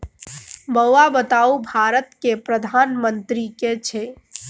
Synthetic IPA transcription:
məwabət̪aubʱaɾət̪kepɾəd̪ʱanmənt̪ɾiket͡ʃʰɛ

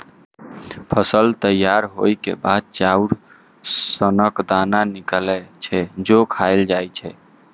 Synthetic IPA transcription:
pʰəsəlt̪əjːaɾɦojkḛbad̪̚t͡ʃauɾ | sənəkd̪ananiklɛt͡ʃʰɛd͡ʒokʰajld͡ʒajt͡ʃʰɛ

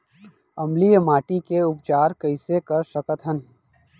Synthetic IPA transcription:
ɐmlijəmaːʈikeʊpt͡ʃaːɾkəɪsekəɾsəkət̪ɦən

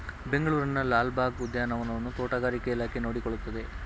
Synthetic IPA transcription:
be̞ŋɡɐɭuːɾinɐlaːlbaːɡud̪jaːnɐʋɐnɐʋɐnːut̪oːʈɐɡaːɾikeilaːkʰenoːɽikoɭut̪ːɐd̪e̞

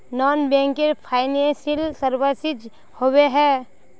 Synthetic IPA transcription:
nɔːnbɛ̃ːŋkeɾpʰaːɪnesilsəɾbəsɪd͡ʒ | howeɦɛ

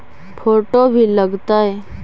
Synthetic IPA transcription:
fʰoʈobʱiːləɡt̪aje

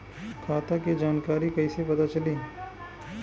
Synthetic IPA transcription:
kʰaːt̪akid͡ʒaːnkaːɾikɐisepɐt̪at͡ʃɐliː

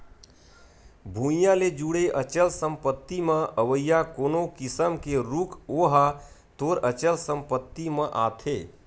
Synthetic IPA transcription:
bʱujãled͡ʒuɽeʔət͡ʃəlsə̃mpət̪ːimə̃əʋəjːakoːnokɪsəmkeɾukʰoːɦat̪oɾət͡ʃəlsə̃mpət̪ːimə̃ʔa̰ːt̪ʰeː

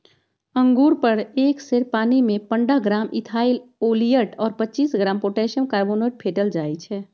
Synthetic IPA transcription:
ə̃ŋɡuːɾpəɾeːkseɾpaːnimẽpəɳɖaɡɾaːmɪt̪ʰaːɪloːlijəʈɔːɾpətːt͡ʃiːsɡɾaːmpoːʈɛːʃənkaːɾboːneːʈ̚pʰeːʈəld͡ʒaːit͡ʃʰɛː

